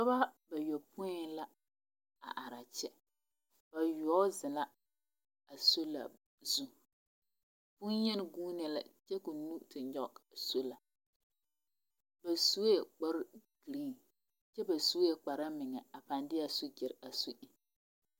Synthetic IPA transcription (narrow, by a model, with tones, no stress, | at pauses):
kɔ˦ba˦ba˨jo˨pʊ˦ɪ˦la˦ | a̰˨ʔa˨ɾa˨t͡ʃɛ˦ | b̥a˨jɔː˦zɪ˨la˦ | a˨so˦la̰˨ | zu˦ | bʊ˦n˦jɛ˦n˦ɡuː˦nɛ˦la̰˨t͡ʃɛ˦kʊ˨nu˦tɪ˨ɲɲɔ˦so˦la˨ | ba˨su˦je˨k͡pɔ˦ɾɡ̥i˨ɾi˦˨ | t͡ʃɛ˦ba˨su˦ɛ˨k͡pa˨ɾa˦mɪ˨ŋɛ˨a˨pa˨ndɪ˦a˨su˦d͡ʒɪ˨ɾa˨su˦ʔɪ˨